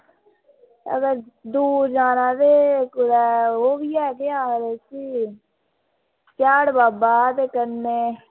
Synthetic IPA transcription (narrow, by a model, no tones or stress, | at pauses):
ə̰ɡəɾd̪uːɾd͡ʒaːnaːd̪eːkʊɾɛːoːbiːɛːɡeːaːɾeːsiː | t͡ʃaːɽbaːbaːt̪eːkəɾneː